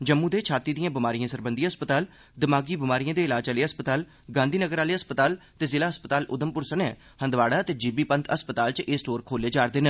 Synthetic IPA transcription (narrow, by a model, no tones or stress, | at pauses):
d͡ʒəmːũːd̪eːt͡ʃʰaːt̪iːd̪ijãːbɪmaːɾijãːsəɾbənd̪iaəspət̪aːl | d̪ɪmaːɡiːbɪmaːɾijãːd̪eːɪlaːd͡ʒaːleːɦəspət̪aːl | ɡãːnd̪iːnəɡəɾaːleːəspət̪aːlt̪eːzɪlaːɦəspət̪aːlʊd̪əmpʊɾsənɛː | hə̃nd̪ʋaːɽaːt̪eːd͡ʒiːbiːpənt̪ʰəspət̪aːlt͡ʃʔeːsʈoːɾkʰoːleːd͡ʒaːɾd̪eːnəː